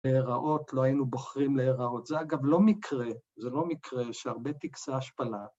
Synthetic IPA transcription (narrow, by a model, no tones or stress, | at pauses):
leeʁaʔo̞t̪lo̞ainuboχʁimleːʁao̞t̪zeaɡavlo̞mikʰʁezelo̞mikʁe̞ʃeaʁbe̞t̪iksaaʃpala